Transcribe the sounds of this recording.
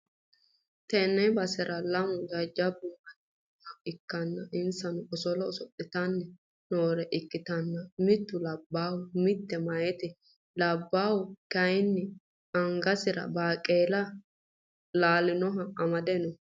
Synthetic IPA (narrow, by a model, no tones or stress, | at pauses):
t̪ɛnːɛjbɐsɪɾʔɐlɐmʊd͡ʒɐd͡ʒːɐbʊʔɐ | hɐɪkːɐnːɐʔɪnsɐnʊɔsɔlɔɔsɔtʼːɪt̪ɐnːɛ | noːɾɛʔɪkːɪt̪ɐnːɐmɪt̪ːʊlɐbːaːwʊmɪt̪ːɛmɐjɛt̪ɪ | lɐbːaːwʊkɐjnːɪ | ɐŋɡɐsɪɾɐ̰baːkʼːeːlɐ | laːlɪnɔɦɐɐmɐd̪ɛnɔ